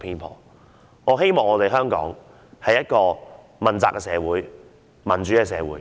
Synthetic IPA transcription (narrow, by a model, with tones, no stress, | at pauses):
pʰiː˧npʰɔ̰ː˨˩ | ŋɔː˨˧ɦe˥jmɔː˨˩ŋɔː˨˧t̪e˨jɦœː˥ŋkɔ̰ː˨˥ŋ | hɐ˨jɐ˥t̚kɔː˧ | mɐ˨˩nt͡saː˨kːɛː˧sɛː˨˧wuː˨˥j | mɐ˨˩nt͡ʃyː˨˥kɛ˧sɛː˨˧wuː˨˥j